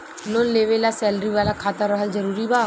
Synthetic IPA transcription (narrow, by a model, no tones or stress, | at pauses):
nonleːʋelasɛːlɾiʋaːlakʰaːt̪əɾəɦəlzəɾuːɾibaː